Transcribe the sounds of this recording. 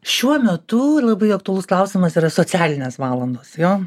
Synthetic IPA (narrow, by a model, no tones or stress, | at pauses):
ʃʲuɔmʲɛt̪ʊlˠɐbɐɪɐkt̪ʊɐlˠʊsklˠɐʊsʲɪmɐsiːɾɐsoːt͡s̪ʲæːlʲɪnʲeːsʋɑːlˠɐnd̪oːsjoː